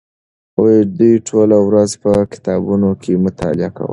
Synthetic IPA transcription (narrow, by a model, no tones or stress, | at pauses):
od̪ujʈʰolawɾazpəkɪ̥t̪ɑbunokʰemʊt̪ɑ̰lɪa̰ka̰wə̰